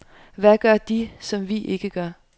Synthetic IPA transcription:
ʋæɡ̥ɶɐd̥isɒ̽mʋiʔe̝ɡ̥əɡ̥ɶɐ̰

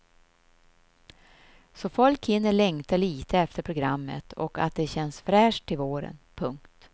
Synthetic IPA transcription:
sɔfɔlkʰɪnːəɭɛŋt̪aliːt̪ʰəɛft̪əɾpʰɾʊɡɾamːə̰t̪ʰɔ̰ka̰t̪̚d̪ɛɕɛnːsfɾæːʂʈ̪ʰːɪlvoːɾə̰npʰɵŋkt̪

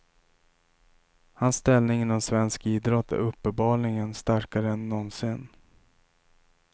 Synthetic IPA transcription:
hansːt̪ɛlnɪŋɪnɔmsvɛnskiːd̪ɾɔt̪ʰːæ̰ɾɵpːənbɑːlnɪŋənst̪aɾkaɾəɛnːɔnsɪn

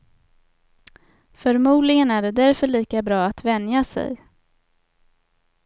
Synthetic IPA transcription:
fœɾmuːd̪lɪɡənæɖɛd̪æɾfœɭiːkabɾɑːat̪vɛnjasɛ̰j

